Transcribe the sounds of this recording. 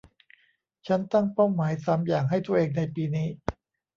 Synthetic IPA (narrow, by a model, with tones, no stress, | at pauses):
t͡ɕʰa˦˥nt̪a˥˩ŋpaː˥˩wmaː˩˦jsa˧mjaː˨˩ŋɦa˥˩jt̪ʰu˧˥ɐʔeː˧ŋna˧jpiː˧niː˦˥